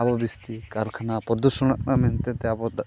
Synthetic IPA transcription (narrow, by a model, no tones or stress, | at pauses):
abɔbist̪ikaɾkʰanapɔd̪usɔɽ̃ɔʔnʔamɛnt̪ɛt̪ɛabɔd̪